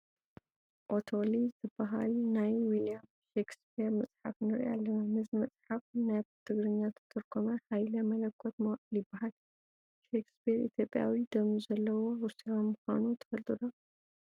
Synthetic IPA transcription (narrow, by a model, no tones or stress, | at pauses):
ʔot̪ʰolizɨbːaɦa̰lnajwilijam | ʃekspiɾmɐsʼħafnɨɾʔa̰lːɐnanɨzɨmɐt͡sʼħafnabt̪ʰɨɡɾɨɲːat̪ʰɨt̪ʰɨɾkʰomɐhajlɐmɐlɐkʰːot̪mljɪbːaɦal | ʃekspʰiɾḭt̪ʰjo̞pʼːja̰wid̪ɐmizɐlːɐwowuɾsiomuxa̰nut̪ʰɐ̥fɐlt̪ʼud̪o